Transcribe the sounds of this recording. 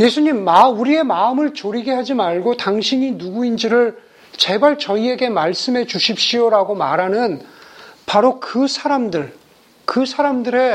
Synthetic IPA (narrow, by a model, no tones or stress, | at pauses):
je̞sʰuɲimːauɾie̞maɯmɯɭt͡ɕoɾiɡe̞ɦad͡ʑimaɭɡotaŋɕʰiɲinuɡuind͡ʑiɾɯɭ | t͡ɕe̞baɭt͡ɕʌie̞ɡe̞maɭs͈ɯmɦe̞t͡ɕuɕʰip̚ɕ͈ioɾaɡomaɾɦanɯn | paɾokɯsʰaɾamdɯɭ | kɯsʰaɾamdɯɾe̞